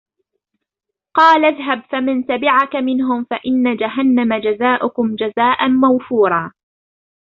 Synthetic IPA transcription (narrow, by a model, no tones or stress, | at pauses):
qɑːlaðɦabfamɪnsabɪʕakamɪnɦʊmfaʔɪnːad͡ʒaɦanːamad͡ʒazaːʔʊkʊmd͡ʒazaːʔanmawfuːɾˤɑː